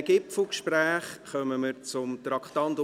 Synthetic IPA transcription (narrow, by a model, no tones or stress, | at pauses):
ɡ̥ɪpfl̩ˠkʃpræːχχœməməɾt͡sʊmt̪ɾɑkχtɑnt